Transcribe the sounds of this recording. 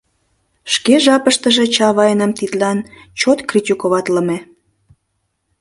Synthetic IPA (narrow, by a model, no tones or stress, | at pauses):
ʃkeʒɑpəʃt̪əʒet͡ɕɑβɑjnəmt̪it̪lɑn | t͡ɕot̪krit̪ʲikoβɑt̪ləme